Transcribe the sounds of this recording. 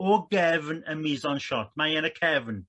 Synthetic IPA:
ɔɡɛvnəmizɔnʃɔt̚ʰmajɛnəkʰɛvn

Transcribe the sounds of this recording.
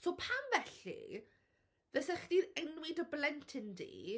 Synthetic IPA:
sopʰamvɛɬḭ | ðəsɛχd̥iðɛnwɪdəblɛntʰɪndḭː

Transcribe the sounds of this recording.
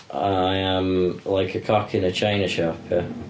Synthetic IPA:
ʔaaɪə̃mlaɪkʰəkʰɒkʰɪ̃nət͡ʃʰãɪ̃nəʃɔpʰə

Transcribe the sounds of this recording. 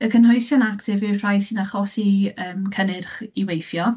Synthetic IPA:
əkʰənɦɔjsjɔnaktʰɪvɪr̥ajsinaχɔsiəːmkʰənɪrχiwejθjɔ

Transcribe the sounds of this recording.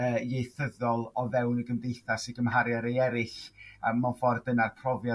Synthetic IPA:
əːjejθəðɔlˠɔvɛwnəɡəmdejθasɪɡəmɦaɾjaɾejɛɾɪɬəmːanfɔrdənarpʰrɔvja

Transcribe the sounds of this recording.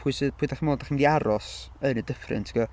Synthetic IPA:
pʰuɨsɨpʰuːdaχmoːdaχmdiaɾɔs | ənədəfrɨ̰ntʰi̥ɡɔ

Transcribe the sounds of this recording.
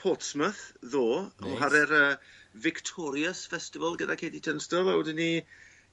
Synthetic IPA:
pʰɔtsməθðoːɔ̰ɦaɾɛɾəːvɪktʰɔɾjəsfɛstɪvəlˠɡədakʰeːdidʰənstəlˠawdɪnːi

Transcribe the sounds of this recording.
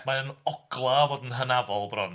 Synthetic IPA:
maənɔɡ̥lˠavoːdən̩ɦənavɔlˠbrɔn

